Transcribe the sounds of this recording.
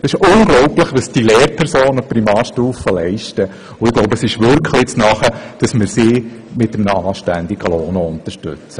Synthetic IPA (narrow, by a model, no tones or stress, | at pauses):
ɛsɪʃʊnɡlɔʊplɪχʋɑsd̥ileːɾpʰɛɾsoːnəpɾimɑːɾʃtuːfəlɛɪʃtə | ʊɪɡloʊbəsɪʃʋʏɾkʰlɪt͡snɑχəd̥ɑsmɪɾsiː | mɪtəmnəɑːʃtænd̪iɡəloːnoʊnt̪əʃtʏ̰t͡sə